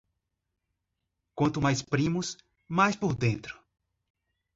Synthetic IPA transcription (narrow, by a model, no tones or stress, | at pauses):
kwɐ̃nt̪ʊmajspɾĩmʊs | majspoɾd̪ẽnt̪ɾʊ̥